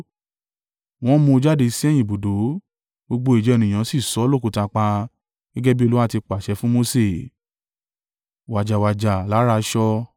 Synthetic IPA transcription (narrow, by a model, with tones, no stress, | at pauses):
w̃ɔ̃˦mũ˧d͡ʒa˦de˧si˦ɛ˦˨j̃ĩ˨bo˨do˨˦ | ɡ͡bo˧ɡ͡bo˧i˨d͡ʒɛ˨˧e˧nĩ˨j̃ã˨˦si˦˨sɔ˨˦lo˦˨ku˨˧ta˧k͡pa˧ | ɡ̥ɛ˦ɡɛ˦bi˦o˧lu˦wa˦˨ti˧k͡pa˨ʃɛ˨˦fũ˦mo˧se˦˨ | wa˨d͡ʒa˨wa˨d͡ʒa˨la˨˦ɾa˧˦ʃɔ˧